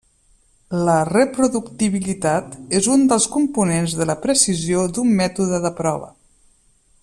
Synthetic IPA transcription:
lərəpɾuðukt̪iβ̞ilit̪at̪ezund̪əlˠskumpunenzðələpɾəsiziod̪umːɛt̪uðəðəpɾɔβ̞ə̰

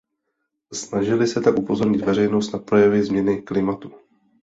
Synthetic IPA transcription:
snaʒɪlɪsɛt̪akʔupo̞zo̞ɾɲɪt̪vɛrɛjno̞st̪napɾo̞jɛvɪzmɲɛnɪklɪmat̪u

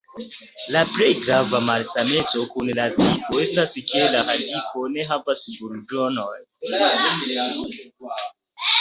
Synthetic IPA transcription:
lapɾe̞jɡɾavamalsame̞t͡so̞kunlatipoe̞staske̞lahadikʰo̞ne̞ɦavasbuɾdonoj

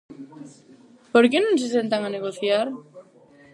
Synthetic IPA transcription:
poɾkenõnses̬ent̪aŋaneɣ̞oθjaɾ

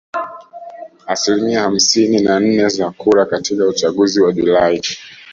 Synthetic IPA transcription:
asilimiaham̩sininan̩nɛzakuɾakatʰikaut͡ʃaɠuziwaʄulai

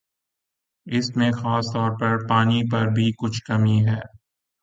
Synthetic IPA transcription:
ɪsmẽxaːst̪ɔːɾpɐɾpaːnip̬ɐɾbʱikʊt͡ʃʰkɐmiɦɛː

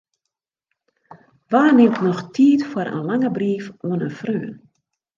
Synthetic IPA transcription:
ʋaːrnemknɔxtʰiːtfwəɾʔə̰nlaŋəbriːfʔoənənfrøːn

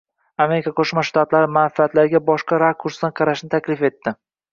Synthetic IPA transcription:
ame̞ɾikʰaqʰoʃmaʃt̪at̪laɾɪmanfiat̪laɾɪɡʲabɒʃqɑɾakʰuɾsd̪anqʰɑɾaʃnɪt̪ʰakʲlɪfe̞t̪ːɪ

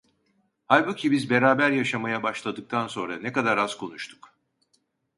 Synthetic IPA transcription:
hajbucʲʰibizbe̞ɾaːbæɾjaʃamajabaʃlˠad̪ɯk̚t̪ʰanso̞nɾanɛkad̪aɾaz̥kʰo̞nuʃt̪ʰu̥k

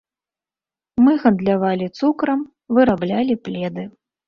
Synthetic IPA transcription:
mɨɣɐnd̪lʲavalʲit̪sukɾɐm | vɨɾablʲalʲiplʲɛd̪ɨ

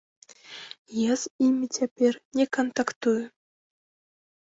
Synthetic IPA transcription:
jezimʲitʲʰepʲerʲnʲekont̪ɑkt̪uj

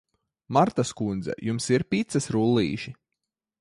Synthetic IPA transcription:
maɾt̪askund̪zɛ̰jumsiɾpʲit̪sɐsɾulˠːḭːʃi

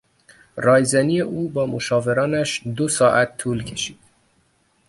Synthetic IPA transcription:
rɒːjzænijeʔuːbɒːmoʃɒːve̞ɾɒːnæʃd̪osɒːʔæt̪ʰːuːlcʰe̞ʃiːd̪̥

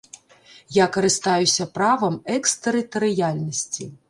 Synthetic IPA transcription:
jakɐɾɨst̪ajusʲɐpɾavɐmɛkst̪ɛɾɨt̪ɐɾɨjalʲnɐsʲt͡sʲi

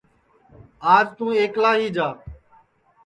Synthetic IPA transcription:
aːd͡ʒt̪ũːeːklaːɦiːd͡ʒaː

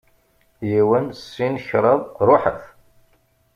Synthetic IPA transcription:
jiwənsːinçɾˤəðˤɾˤoħə̰f

